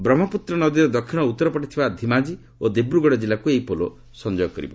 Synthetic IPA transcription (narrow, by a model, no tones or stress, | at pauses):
bɾɔmɔput̪ɾɔnɔd̪iɾed̪ɔkʰiñɔut̪ːɔɾɔpɔʈit̪ʰibad̪ʱimad͡ʒi | od̪ebɾuɡɔɽɔd͡ʒilakuejpolo | sɔnd͡ʒɔjɔkɔɾḭbɔ̰